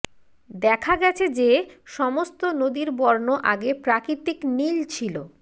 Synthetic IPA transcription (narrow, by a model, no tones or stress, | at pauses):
d̪ɛkʰaɡɛt͡ɕʰed͡ʑeʃɔmost̪onod̪iɾbɔɾnoʔaɡepɾakɾit̪iknilt͡ɕʰilo